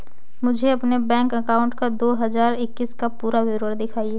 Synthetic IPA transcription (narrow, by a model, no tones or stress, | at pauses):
mʊd͡ʒʱeɐpnebɛ̃ːŋkɐkaːʊ̃ɳʈkad̪oːɦɐzaːɾɪkːiskapuːɾawɪɾəɽd̪ɪkʰaːieː